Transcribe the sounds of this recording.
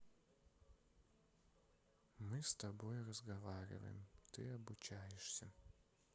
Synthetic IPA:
mɨst̪ɐbojrəzɡɐvaɾʲɪ̰və̰jɪ̰mt̪ɨɐbʊt͡ɕajɪʂsʲə

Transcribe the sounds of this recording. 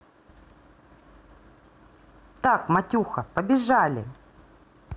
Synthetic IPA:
t̪akmɐtʲuxɐpəbʲɪʐalʲɪ̰

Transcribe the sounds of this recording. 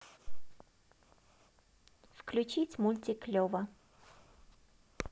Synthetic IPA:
fklʲʉt͡ɕitʲmʊlʲtʲɪklʲovə

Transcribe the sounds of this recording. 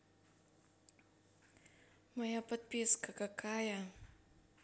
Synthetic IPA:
majapət̪̚piskəkəkʰaja

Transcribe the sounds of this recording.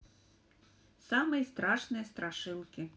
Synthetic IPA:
sɑmɪjst̪ɾɑʃnɪjɐst̪ɾɐʃɪlˠkʲɪ

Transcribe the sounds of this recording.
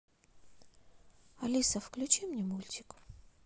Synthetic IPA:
ɐlʲisəfklʲʊt͡ɕimnʲɛmulʲtʲɪ̥k

